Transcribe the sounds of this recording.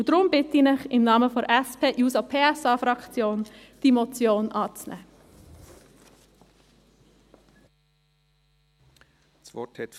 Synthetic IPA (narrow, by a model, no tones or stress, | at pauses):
d̥ɾʊmbɪt̪əinɪχɪmnɑːməfɔɾʔɛspʰeːʔjuːsopʰeːɛsɑːfɾɑkt͡sjoːnd̥iːmot͡sjoːnʔɑːt͡snɛ̰ː | sɔtɛt